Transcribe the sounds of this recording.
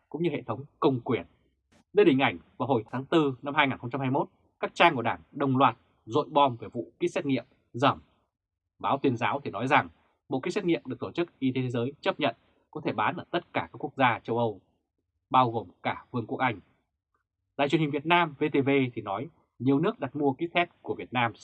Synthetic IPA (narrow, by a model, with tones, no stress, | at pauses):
kʊ̰˧˥ŋ͡mɲɨ˧hḛ˧˨t̪ʰə˨˦wŋ͡mkə˧wŋ͡mkwi˧˩ən | ɗəː˧ɗï˩ŋ̟ʔa˧˩jŋ̟vaː˨˩wɦho˨˧˩jt̪ʰaː˨˦ŋt̪ɨ˧na˧mhɦaː˧jŋaː˨˩nxə˧ŋ͡mt͡ɕa˧mhaː˧jmo˦˥t̚ | kaː˦˥k̚t͡ɕaː˧ŋku˧˩əɗaː˧˩ŋɗə˨˩wŋ͡mlwaː˨˩t̚ | zo̰˧˨jɓɔ˧mve˨˩vṵ˧˨ki˦˥sɛ˦˥t̚ŋḭ˧˨əm | zəː˧˩m | ɓaː˨˦wt̪wi˧ənzaː˨˦wt̪ʰi˨˩nɔ˨˦jza˨˩ŋ | ɓo̰˧˨ki˦˥sɛ˦˥t̚ŋḭ˧˨əmɗɨ˨˩ək̚t̪o˧˩t͡ɕɨ˦˥k̚ʔi˧t̪e˨˦t̪ʰe˨˦zəː˨˦jt͡ɕə˦˥p̚ɲə̰˧˨n | kɔ˨˦t̪ʰe˧˩ɓaː˨˦nʔəː˧˩t̪ə˦˥t̚kaː˧˩kaː˦˥kːu˦˥ək̚zaː˧t͡ɕə˧wʔə˧w | ɓaː˧wɣo˨˩mkaː˧˩vɨ˧əŋku˦˥ək̚ʔa˧jŋ̟ | ɗa̰˧˨jt͡ɕi˨˩əhï̟˨˩vi˨˩ət̚naː˧mve˧t̪e˧ve˧t̪ʰi˨˩nɔ˨˦j | ɲi˨˩əwnɨ˦˥ək̚ɗa˨˩t̚mu˧əki˦˥t̚sɛ˦˥t̚ku˧˩əvi˨˩ət̚naː˧m